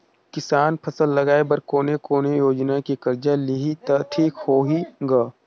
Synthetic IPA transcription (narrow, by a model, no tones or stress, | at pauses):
kɪsaːnpʰɐsəlːɐɡaːebɐɾkoːnekoːnejoːd͡ʒnakikɐɾd͡ʒalɪɦit̪ɐʈʰiːkhoːɦiɡaː